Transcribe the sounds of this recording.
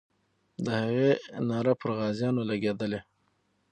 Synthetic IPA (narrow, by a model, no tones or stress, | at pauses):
d̪əhaɣenɑɾapəɾɣɑzjɑnolaɡed̪əle